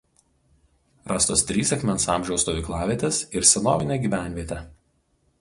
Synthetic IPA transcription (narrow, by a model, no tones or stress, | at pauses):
ɾɑst̪oːst̪ʲɾʲiːsɐxʲmʲɛnsɑ̰ˑmʲʒʲɛʊst̪oʋʲiˑklˠɑːʋʲiɛt̪ʲesɪɾsʲɛno̰ːʋʲɪnʲeːɡʲiːʋʲæˑnʲʋʲiɛt̪ʲɛ